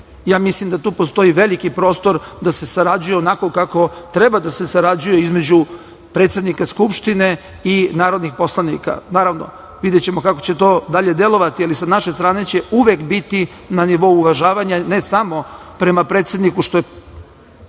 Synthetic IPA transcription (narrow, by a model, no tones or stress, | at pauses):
jaːmislimd̪at̪uːpo̞st̪o̞iʋe̞likipɾo̞ːst̪o̞ɾd̪ase̞saɾad͡ʑuje̞onako̞kako̞t̪ɾe̞bad̪ase̞saɾad͡ʑuje̞izme̞d͡ʑu | pɾe̞ːt̪sed̪nikaskupʃt̪ine̞ | inaːɾo̞d̪nixpo̞slˠanḭka̰naːɾaʋno̞̰ | ʋid̪jet͡ɕe̞mo̞kako̞t͡ɕe̞t̪o̞ːd̪aʎe̞d̪e̞lo̞ʋat̪ialisanaʃe̞st̪ɾaːne̞t͡ɕe̞uʋekbit̪i | naniʋo̞uːʋaʒaːʋaɲane̞samo̞pɾe̞mapɾe̞ːt̪se̞d̪nikuʃt̪o̞je